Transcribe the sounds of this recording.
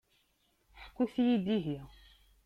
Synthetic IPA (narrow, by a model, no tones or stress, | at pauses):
ħkːuθijid̪iɦjæ